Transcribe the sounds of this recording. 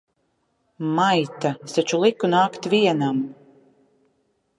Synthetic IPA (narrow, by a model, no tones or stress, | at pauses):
majt̪asat͡ʃulˠikunaːkt̪vʲiɛnam